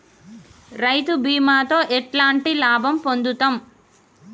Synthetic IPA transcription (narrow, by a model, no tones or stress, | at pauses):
ɾɐjt̪ubiːmaːt̪o̞ːʔɛʈlaːɳʈilaːbʱɐmpond̪ut̪am